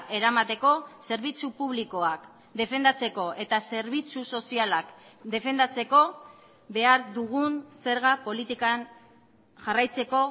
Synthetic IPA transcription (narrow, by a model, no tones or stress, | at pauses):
e̞ɾamat̪e̞ko̞se̞ɾβ̞it͡supuβ̞liko̞ak | d̪e̞fe̞nd̪at͡se̞ko̞ʔe̞t̪ase̞ɾβ̞it͡suso̞sialakd̪e̞fe̞nd̪at͡se̞ko̞ | βe̞aɾðuɣ̞unse̞ɾɣapo̞lit̪ikan | ʝarajt͡se̞ko̞